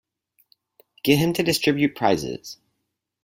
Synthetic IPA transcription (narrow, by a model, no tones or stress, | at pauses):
ɡ̥ɪvɨ̃mtʰɨdɨstɹ̥ɪbjʉt̚pʰɹ̥aɪzɪ̰z̥